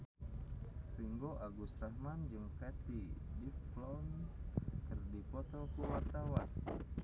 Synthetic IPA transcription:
riŋɡoʔaɡusɾahmand͡ʒɨŋkat̪idiplɔn | kɨrdipɔt̪ɔkuwart̪awan

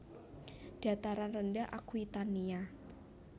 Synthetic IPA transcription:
d̥at̪aɾanrəndaʔakuit̪ania

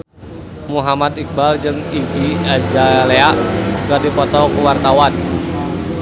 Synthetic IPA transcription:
muɦamat̪ik̚bald͡ʒɨŋid͡ʒiad͡ʒaleaʔɡadipɔt̪ɔkuwart̪awan

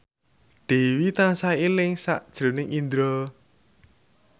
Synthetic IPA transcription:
d̪̥e̤wit̪ansailɪŋsaʔd̥ʒ̥ɾo̤nɪŋind̪ɾɔ

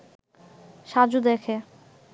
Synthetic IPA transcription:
ʃad͡ʑud̪ekʰe

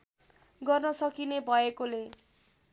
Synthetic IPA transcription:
ɡʌrnʌsʌkinebʱʌekole

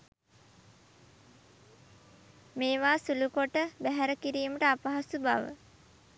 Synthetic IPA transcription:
meːʋaːsulukoʈəbæɦæɾəkiɾiːməʈəapaɦasubaʋə̰

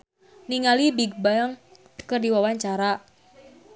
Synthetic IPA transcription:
niŋalibiɡ̚baəŋ | kərdiwawaɲt͡ʃaɾa

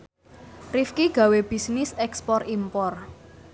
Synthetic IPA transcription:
rifkiɡ̥a̤web̥i̤snɪsɛkspɔrimpɔr

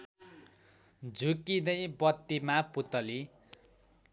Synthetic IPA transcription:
d͡zʱukinʌjbʌt̪ːimaput̪ʌli

